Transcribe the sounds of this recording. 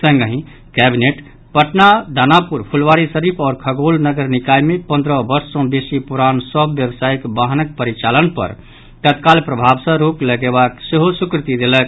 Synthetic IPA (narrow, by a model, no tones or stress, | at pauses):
sə̃ŋɡəɦĩ | kɛbineʈ | pəʈnad̪ʱanapuɾpʰulʋaɾisəɾipʰɔːɾkʰəɡolnəɡəɾnikajmepə̃nd̪ɾəbəɾsːə̃besipuɾansəbʱʋjəbsajkbaɦnək̚pəɾit͡ʃalənpə̰ɾ | t̪ət̪kalpɾəbʱabsə̃ɾokləɡebakseɦosukɾt̪id̪elək̚